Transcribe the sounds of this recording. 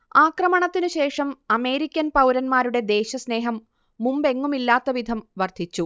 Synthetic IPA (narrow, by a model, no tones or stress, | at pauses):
aːkrɐmɐɳɐt̪ːinɨɕe̞ːʂɐmɐme̞ːɾikʲːɐnpɐwɾɐnmaːɾuɽe̞d̪e̞ːɕɐsne̞ːɦɐmː | umbe̞ŋːumilːaːt̪ːɐʋid̪ʱɐmʋɐrd̪ʱit͡ɕːu